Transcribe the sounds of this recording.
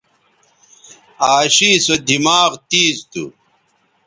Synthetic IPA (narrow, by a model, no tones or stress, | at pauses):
aːɕisɐd̪ʱimaːʁt̪iːzt̪ṵ